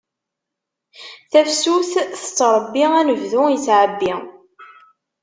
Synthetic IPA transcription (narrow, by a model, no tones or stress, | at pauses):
θæfsuθθə̥t͡sːɾˤəbːiænəvðʊjət͡sːʕəbːi